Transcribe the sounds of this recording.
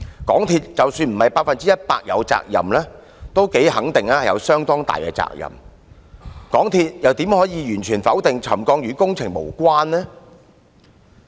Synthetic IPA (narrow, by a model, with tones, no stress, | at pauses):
kɔː˨˥ŋt̪ʰiː˧t̚t͡sɐ˨wsyː˧nm̩˨˩hɐ˨jpaː˧t̚fɐ˨nt͡si˥jɐ˥t̚paː˧k̚jɐ̰˨˧wt͡sa̰ː˧k̚jɐ̰˨mlɛː˥ | t̪o˥wke˨˥jhɐ˨˥ŋt̪ɪ˨ŋlaː˥hɐ˨jɐ̰˨˧wsœː˥ŋt̪ɔː˥ŋt̪a̰ː˨jkɛ̰ː˧t͡sa̰ː˧k̚jɐ̰˨˩m | kɔː˨˥ŋt̪ʰiː˧t̚jɐ˨wt̪iː˨˥mhɔː˨˥jiː˨˧jyː˨˩nt͡ʃʰyː˨˩nfɐ˨˥wt̪ɪ˨ŋt͡sʰɐ˨˩mkɔː˧ŋjyː˨˧˥kʊ˥ŋt͡sʰɪ˨˩ŋmo̰˨˩wkʷwaː˥nlɛ˥